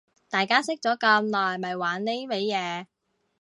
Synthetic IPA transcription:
t̪aː˨˩jkaː˥sɪ˥k̚t͡sɔː˨˥kɐ˧mnɔː˨jmɐ˨jwaː˨˥nne˥me˨˧jjɛː˨˧

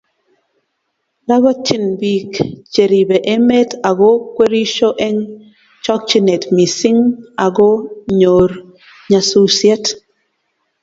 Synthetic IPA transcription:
la˦βa˦t͡ʃi˦nbi˨kt͡ʃe˨ɾi˨be˨ʔe˦me˦ta˨ɡo˦kwe˦ɾi˦ʃo˦ʔe˦ŋ | t͡ʃɔ˦k̚t͡ʃi˦ne˨tmi˨sɪ˦ŋa˨ɡɔ˦ɲo˨ɾ | ɲa˨su˦sjɛ˦t

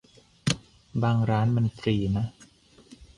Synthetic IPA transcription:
baː˧ŋɾaː˦˥nma˧nfɾiː˧˩na˦˥ʔ

